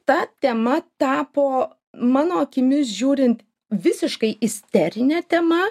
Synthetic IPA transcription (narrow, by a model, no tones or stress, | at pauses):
t̪ɐt̪ʲɛmɐt̪ɑːpoː | mɑːnoːɐkʲɪmʲɪsʒʲuːɾʲɪnt̪ | ʋʲɪsʲɪʃkɐɪʔɪsʲt̪ʲɛɾʲɪnʲɛt̪ʲɛmɐ